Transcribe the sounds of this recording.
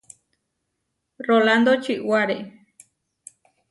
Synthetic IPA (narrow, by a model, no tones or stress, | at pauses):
roland̪ot͡ʃɨʔwaɾe